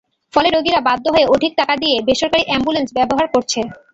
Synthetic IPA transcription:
fɔleɾoɡiɾabad̪ʱːoɦoeoʈik̚ʈakad̪ijebeʃoɾkaɾiʔɛmbulensbɛboɦaɾkoɾt͡ɕʰe

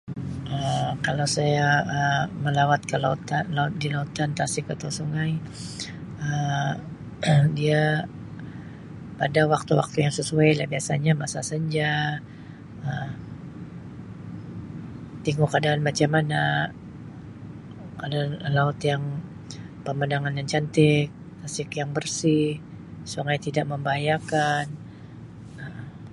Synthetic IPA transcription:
ʔəkalawsajaəməlawat̪̚kəlaut̪anlaʊt̪̚dilaut̪ant̪asɪkat̪osuŋaj | ə | dia | padawak̚t̪uwa̰k̚t̪ujaŋsəsuajlahbiasaɲamasasaɲd͡ʒa | əm | t̪iŋɡukadaːnmat͡ʃamana | kadanlaʊt̪jaŋ | pəmədaŋanjaŋt͡ʃant̪ɪk̚ | t̪asɪkjaŋbərsɪh | suŋajt̪idaʔ̚məmbaajakan | ə

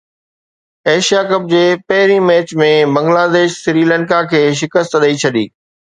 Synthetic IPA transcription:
eːʃijakɐb̚d͡ʑeːpɐɦɪɾimɛːt͡ɕmẽbɐ̃ŋɡlaːd̪eːʃsɾiːlɛ̃ːnkakʰeːʃ̬ɪkəst̪ɗəit͡ɕʰɐɗḭː

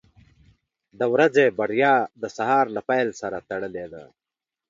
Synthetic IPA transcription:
d̪əwɾɐzebɐɽjɑːd̪əsaɦɑːɾlapajlsɐɾat̪ɐɽəled̪a̰

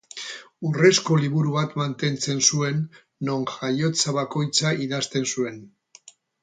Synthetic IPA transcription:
ure̞sko̞liβuɾuβat̪mant̪e̞nt͡se̞nsue̞nː | o̞ŋʝajo̞t͡saβako̞jt͡saiðast̪e̞nsue̞n

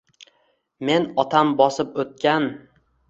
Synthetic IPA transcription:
me̞nɒt̪ʰambɒsɪpɵt̪̚kʲan

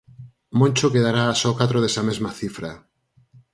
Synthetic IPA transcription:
mõnt͡ʃokeðaɾaːsɔkat̪ɾoðesamezmɐθifɾa

